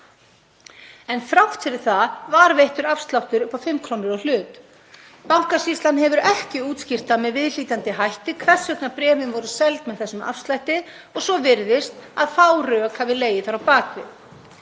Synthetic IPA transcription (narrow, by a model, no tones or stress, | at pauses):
ɛnθɾawht̪fɪɾɪɾ̥θavaɾvejht̪ʏɾafst̪lawht̪ʏɾpawfɪmːkʰɾoːwnɪɾɔɣl̥ʏːt̪ | pawŋ̥kasist̪lanhɛvʏɾɛhcɪuːt̪scɪr̥t̪amɛðvɪðliːt̪ant̪ɪɦajht̪ɪkʰvɛr̥sœt̪napɾɛːvɪnvɔɾʏsɛlt̪mɛðθɛsːʏma̰fst̪lajht̪ɪð | ɔɣsɔvɪɾðɪst̪aðfaːwrœːkhavɪleːjɪθawɾawpaːkvɪ̰ð